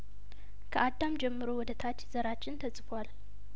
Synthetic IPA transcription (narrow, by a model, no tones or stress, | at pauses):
kʰɨʔad̪ːamd͡ʒɛmːɨɾowɔd̪ɐt̪ʰat͡ʃːz̥ɐɾat͡ʃːɪnt̪ʰɐt͡sʼɨfal